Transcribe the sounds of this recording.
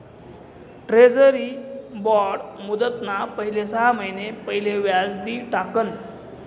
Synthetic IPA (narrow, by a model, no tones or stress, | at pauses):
ʈɾed͡zəɾiːbɔɾɽmud̪ət̪napəɦilesəɦaməjnepəɦileʋjad͡zd̪iːʈakən